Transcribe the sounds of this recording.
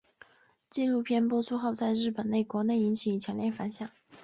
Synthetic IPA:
t͡ɕi˥˧lu˥˧pʰjɛ˥˧npwɔ˥t͡sʰu˥˧xɑ˥˧ʊt͡sa˥˧ɪɻɻ̩˥˩pə˨˩ne˥˩ɪkwɔ˧˥ne˥˩ɪi˧˥nt͡ɕʰi˨˩˧t͡ɕʰjɛ˧˥nljɛ˥˩nfa˧˥nɕjɑ˥˩ŋ

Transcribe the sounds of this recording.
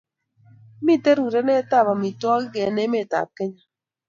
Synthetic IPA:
mi˦˨te˦ɾu˨ɾɛ˦nɛ˦ta˦˨ba˨mi˨twɔ˦ɡɛ˨nɛ˦me˦˨ta̰˨p̚ke˦ɲa˦

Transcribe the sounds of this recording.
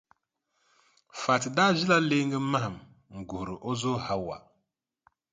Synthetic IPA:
fa˨ti˨da˦ʒi˦la˦le˦ŋɡɨ˦ma˦ha˨m | ŋ̩˨ɡu˨ɾɨ˨ʔo˦zo˦ha˦wa̰˨

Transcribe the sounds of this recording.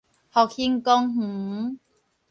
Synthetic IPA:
hɔ˨k̚hi˧ŋkɔ˧ŋh̩˨˩˦

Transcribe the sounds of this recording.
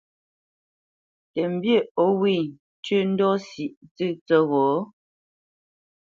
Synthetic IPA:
tɛ˨m̩˨bjə˦˨o˦wi˦˨ | t͡ʃə˦n̩˦dɔ˦si˨ʔt͡sɨ˦˨t͡sə˦ɣɔ˨˦

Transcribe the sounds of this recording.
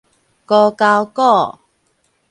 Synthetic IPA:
kɔ˧ka˧wkɔ˥˨

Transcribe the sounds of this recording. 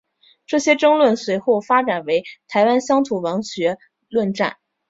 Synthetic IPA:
ʈ͡ʂɤ˥˩ɕjɛ˥ʈ͡ʂɤ˥ŋlwə˥˩nswe˧˥ɪxo˥˩ʊfa˥ʈ͡ʂa˨˩nwe˧˥ɪt̪ʰa˧˥ɪwa˥nɕjɑ˥ŋt̪ʰu˨˩wɑ˧˥ŋɕɥɛ˧˥ | lwə˥˧nʈ͡ʂa̰˥˩n

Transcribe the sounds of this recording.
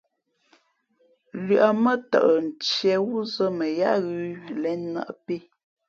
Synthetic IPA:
lɥʔa˨mə˦tə̰˨ʔə˨n̩˨t͡ʃjɛ˨wu˦zə˦mə˨ja̰˦ʔɣʉ˦˨lɛ˨˦nnə̰˦ʔpe˦

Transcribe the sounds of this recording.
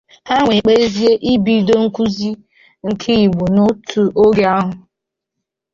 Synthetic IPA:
ha˦ŋʷe˨k͡pe˦zi˦e˦ʔi˦bi˨do˦ŋ̩˦ku˦zi˦ | ŋ̩˨kʰi˦i˨ɡ͡bu˨nʊ˦tʰu˨ʔo˦ɡe˦a˦ɦʊ˨

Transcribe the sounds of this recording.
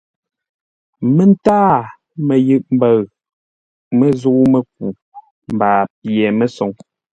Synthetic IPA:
mə˦˨n˦taː˦ | mə˨jʉ˦˨ʔm̩˨bə˦˨ɣ | mə˦˨zu˦mə˨k̚u˨ | m˨baː˨p̚jɛ˨mə˦so˨ŋ

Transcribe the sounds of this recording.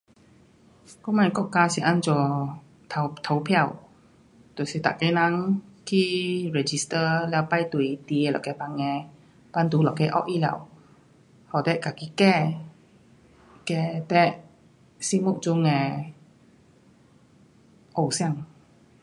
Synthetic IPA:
kɔ˧˦mã˧nkɔ˧˦˨ka˧si˧˨ʔa˧˨nd͡ʒɔ˨ | tʰt̪ʰa˨˧wpʰɛ˧˨w | t̪o˨si˧˨t̪a̰˨ʔkɛ˧nã˧ŋkʰi˧˦ɹɛ˧d͡ʒi˧˨st̪ə˧lɛ˧˨wpa˧jt̪u˨i˧t̪i˧˨˧lɔ̰˨kɛ˧˨pa˧ŋɛ̃˧ | pa˧nd̪u˨˦lɔ˨kɛ˧ʔɔ̰˧˦ʔʔi˧˨lɛ̰˧˨w | hɔ˨˩t̪ɛ˧ʔka˨ki˧˨kɛ˧ | kɛ˧t̪ɛ˧ʔ | si˧mu˧˨ʔd͡ʒu˧ŋɛ̃˧ | ʔo˧˩wsã˧˨ŋ

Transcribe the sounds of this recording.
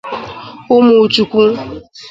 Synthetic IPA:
ʊ˦mu˨t͡ʃu˨kʷu˦

